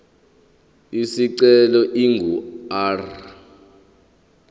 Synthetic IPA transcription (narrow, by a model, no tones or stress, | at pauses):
isiǀɛlɔʔiŋɡʱuar